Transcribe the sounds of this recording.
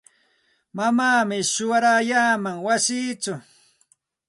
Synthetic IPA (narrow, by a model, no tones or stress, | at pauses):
mamaːmɪʃʊwaɾajaːmaŋwasiːt͡ʃʊ